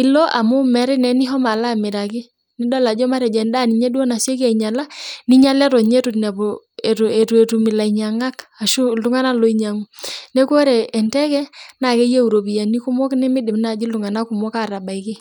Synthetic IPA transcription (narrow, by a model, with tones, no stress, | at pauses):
ɪ˨lɔ˦ʔa̰˨mʊ˦mɛ˨˦ɾɪ˦nɛ˨nɪ˦ɦɔ˦ma˨la˦˨mɪ˨ɾa˨kɪ˦ | nɪ˦dɔ˦la˨d͡ʒɔ˦ma˦ɾɛ˨d͡ʒɛ˨nda˦˨ni˨ɲɛ˦dwɔ˦na˨sjɛ˦k̬a˨i˨ɲa˨la˦nɪ˦ɲa˦lɛ˦tɔ˨ɲe˦tu˨tna˨pɔ˨e˨te˨tu˨e˨tu˨mɪ˨la˨i˨ɲa˨ŋɡa˦ka˨ʃu˦lʊ˦ŋa˦na˦lɔ˨˦i˦ɲa˨ŋu˦nɛ˦ko˦ɾɛ˨ʔɛ˨ntɛ˦kɛ˦na˨kɛ˦je˦u˨ɾo˨bi˨ja˨ni˦ku˦mɔ˦knɪ˦mɪ˦dɪ˨m˦na˨d͡ʒi˦lʊ˨ŋa˨na˦kʊ˨mɔ˦ka˦˨ɾa˨ba˨i˨kɪ˦